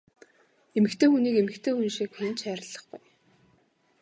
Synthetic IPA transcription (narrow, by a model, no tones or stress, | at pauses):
emɘ̆kt̪ʰeːxuniːkemɘ̆kt̪ʰeːxunʃikxent͡ɕæːɾə̆ɮːə̆χɡʊj